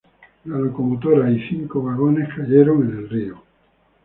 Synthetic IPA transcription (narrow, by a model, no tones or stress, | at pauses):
lalo̞ko̞mot̪̬oɾaiθiŋkoβaɣ̞o̞ne̞skaʎe̞ɾo̞ŋe̞ne̞lrio